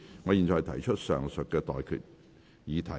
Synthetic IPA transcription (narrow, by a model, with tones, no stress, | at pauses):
ŋɔː˨˧jiː˨˩nt͡ʃɔː˨˩jt̪ʰɐ˨˩jt͡ʃʰɵ˥t̚sœ̰ː˨˩ŋsɵ˨t̚kːɛː˧t̪ɔ̰ː˨jkʰy̰˨t̚ | jiː˨˧t̪ʰɐ˨˩